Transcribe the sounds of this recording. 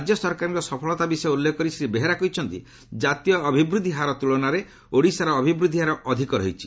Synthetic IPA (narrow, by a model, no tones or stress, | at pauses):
d͡ʒjɔsɔɾkaɾiɾɔsɔpʰɔɭɔt̪abisɔjulːekɔkɔɾisɾibeɦeɾakɔjt͡ʃʰɔnt̪ḭ | d͡ʒat̪ijɔːbʱibɾud̪ʱiɦaɾɔt̪uɭɔnaɾe | oɽisaɾɔːbʱibɾud̪ʱiɦaɾɔʔɔd̪ʱikɔɾɔɦit͡ʃʰi̥